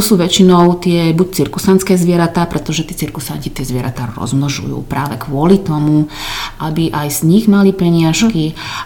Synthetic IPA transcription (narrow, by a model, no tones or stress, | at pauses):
ɔsuːʋɛt͡ʃinɔʊt̪ɪɛbuc̚t͡siɾkusant͡skɛːzʋɪɛɾat̪aːpɾɛt̪ɔʒɛt̪iːt͡siɾkusaɲcit̪ɪɛzʋɪɛɾa̰t̪aːɾɔ̰zmnɔʒṵjṵːpɾaːʋɛkʋʊɔlit̪ɔmuʔabiʔajz̥ɲiɣmalipɛɲɪaʃki